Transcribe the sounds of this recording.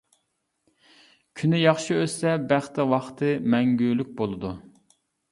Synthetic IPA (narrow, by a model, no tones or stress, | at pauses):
kʲʰynɪjɑχʃiøsɛbæχt̪ɛwɑχt̪ʰɨmɛŋɡʲylyk̚ʲbolˠɨd̪u